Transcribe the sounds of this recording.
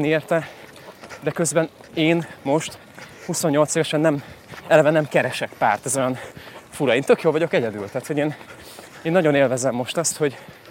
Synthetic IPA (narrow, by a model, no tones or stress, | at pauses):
neːrt̪ɛ | d̪ɛkøzbɛneːnmo̞ʃt̪ | huso̞ɲːo̞lt̪seːvɛʃɛnːɛmɛlɛvɛnɛmkɛɾɛʃɛkpaːrt̪ɛzo̞jɒnfuɾɒeːnt̪økjoːlvɒɟo̞kɛɟɛd̪y̰lt̪æːt̪ho̞ɟeːn | eːnːɒɟo̞neːlvɛzɛmːo̞ʃt̪ɒst̪ho̞ɟ